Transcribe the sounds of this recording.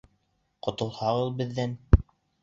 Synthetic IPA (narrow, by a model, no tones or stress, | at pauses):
qŏt̪ŏlˠhɑʁɤðˠbɘ̆ðːæn